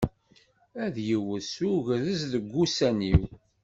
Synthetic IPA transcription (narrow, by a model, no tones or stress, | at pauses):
æðjəwəsuʝðəzðəɡʷːusæniw